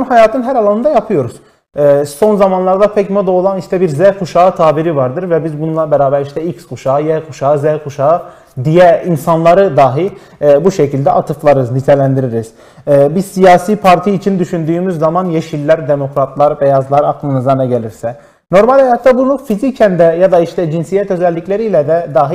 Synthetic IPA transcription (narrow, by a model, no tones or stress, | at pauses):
nhajaːt̪ʰɯnɦæɾalˠanɯnd̪ajapʰɯjo̞ɾuz̥ | so̞nzamanlˠaɾd̪apʰɛcmod̪aolˠaniʃt̪ʰɛbiɾzɛkuʃaːɯt̪ʰaːbiɾivaɾd̪ɯɾvɛbizbunlˠabɛɾaːbæɾiʃt̪ʰɛicskuʃaːɯjɛkʰuʃaːɯzɛhkʰuʃaɯ | d̪ijɛinsanlˠaɾɯd̪aːɦi | buʃɛcʰilʲd̪ɛʔat̪ʰɯflˠaɾɯznit̪ʰɛlʲænd̪iɾiɾiz̥ | bizsijaːsiːpʰaɾt̪ʰijːt͡ʃʰind̪yʃynd̪yːmyzːamanjeʃilʲːæɾd̪emo̞kɾat̪lˠaɾbɛjazlˠaɾakʰːˠɯnɯzd̪anaɟelʲiɾsɛ | no̞ɾmalʲɛjat̪ʰːabunˠufizicʰɛnd̪ɛjad̪aiʃt̪ʰɛd͡ʒinsijɛt̪ø̞zɛlʲːiclʲeɾiːlʲɛd̪ɛd̪aːɦi